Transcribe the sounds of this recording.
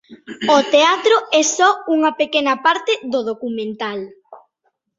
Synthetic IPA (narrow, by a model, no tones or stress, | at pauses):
ot̪eat̪ɾoɛsɔuŋɐpekenɐpaɾt̪ɪðoð̞okumẽnt̪al